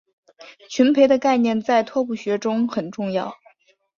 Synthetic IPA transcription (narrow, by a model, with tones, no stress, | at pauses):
t͡ɕʰy˧˥npʰe˧˥ɪd̪ə˧ka˥˧ɪnjɛ˥˧nt͡sa˥˩ɪt̪ʰwɔ˥˧pu˥˩ɕɥɛ˧˥ʈ͡ʂʊ˥ŋxə˨˩nʈ͡ʂʊ˥˧ŋjɑ˥˩ʊ